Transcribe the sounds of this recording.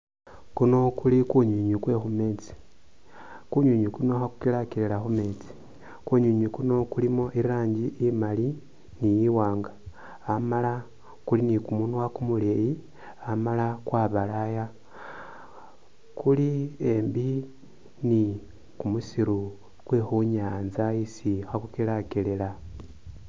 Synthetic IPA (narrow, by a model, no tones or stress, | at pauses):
kuno̞kulikuɲuɲukwe̞xume̞ːt͡si̥ | kuɲuɲukunoxaku̥kilakilelaxome̞ːt͡si̥ | kuɲuɲukuno̞kulimoʔiɾaːɲɟiʔimali | nijiwaːŋɡaː | mala | kulinikumunwakumuleji | amalakwaːβalaja | kuliembi | ni | kumusiɾu | kwexuɲaːnzaisixakukilakelela